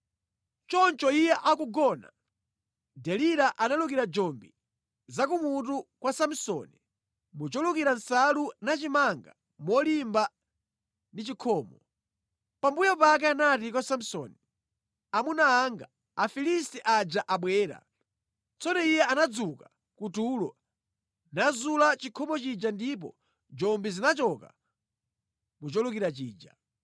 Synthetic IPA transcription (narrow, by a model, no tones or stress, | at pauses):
t͡ʃɔnt͡ʃɔijɛʔakuɡɔna̰ | dɛliɾaʔanalukiɾad͡ʒɔmbi | zakumutukwasam̩sɔ̰ni | mut͡ʃɔlukiɾansalunat͡ʃimaŋɡa̰ | mɔlimba | ndit͡ʃikʰɔːmɔ | pambujɔpak̬ɛanat̬ikɔsam̩sɔ̰ni | amunaːŋɡaː | filistɛʔad͡ʒaʔaɓwɛːɾa̰ | t͡sɔnɛijɛʔanad͡zuka | kutuːlɔ | nazulat͡ʃikʰɔmɔt͡ʃid͡ʒandip̬ɔ̰ | d͡ʒɔmbizinat͡ʃɔka̰ | mut͡ʃɔlukiɾat͡ʃiːd͡ʒa̰